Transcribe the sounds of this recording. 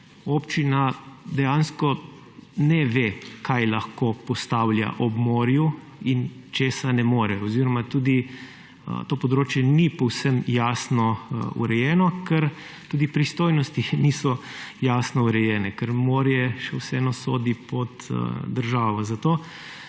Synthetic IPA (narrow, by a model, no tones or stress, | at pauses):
oːpt͡ʃinad̪ɛjaːnskɔ | nɛʋekʰajlaxkoːpɔst̪aːwlja̰ʔɔbmoːɾju | int͡ʃeːsanɛmoːɾɛɔziːɾɔmat̪uːd̪ḭ | t̪oːpɔd̪ɾoːt͡ʃjɛnipɔwsəmjaːsnɔṵɾɛjɛːnɔkʰɛɾ | t̪uːd̪ipɾist̪oːjnɔst̪inisɔjaːsnɔuɾɛjɛːnɛkəɾmoːɾjɛʃɛwsɛɛnɔsoːd̪ipɔt̪d̪əɾʒaːʋɔzat̪oː